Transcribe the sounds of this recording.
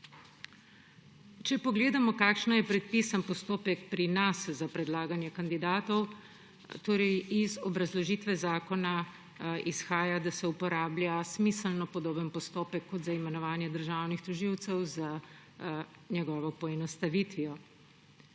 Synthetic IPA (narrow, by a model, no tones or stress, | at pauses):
t͡ʃɛpɔɡleːd̪amɔkaːkʃnɔjɛpɾɛt̪̚pisanpɔst̪oːpɛkpɾinaszapɾɛd̪laːɡanjɛkand̪id̪aːt̪ɔw | t̪oːɾɛjizɔbɾazlɔʒiːt̪ʋɛzaːkɔna | isxaːjad̪asɛupɔɾaːblʲjasmisəlnɔpɔd̪oːbənpɔst̪oːpɛkːɔd̪zaimɛnɔʋaːnjɛd̪əɾʒaːwnixt̪ɔʒiwt̪sɛwza | ɲɛɡɔːʋɔpɔɛnɔst̪aʋit̪ʋiɔ